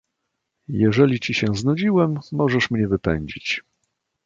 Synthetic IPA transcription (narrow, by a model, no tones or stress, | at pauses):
jɛʐɛlʲit͡ɕiɕɛznud͡ʑiwɛmːɔʐɛʂmɲɛvɘpɛɲd͡ʑit͡ɕ